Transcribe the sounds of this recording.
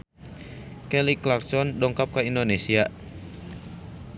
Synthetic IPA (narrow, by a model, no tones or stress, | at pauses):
kɛliklarsɔndɔŋkap̚kaindonesia